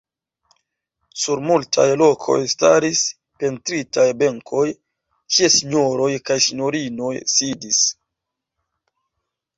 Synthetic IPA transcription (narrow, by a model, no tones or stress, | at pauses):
suɾmultʰa̰jlo̞kʰo̞̰jsta̰ɾis | pe̞ntɾitajbe̞ŋkʰo̞j | kiesiɲo̞ɾo̞jkajsiɲo̞ɾino̞jsidis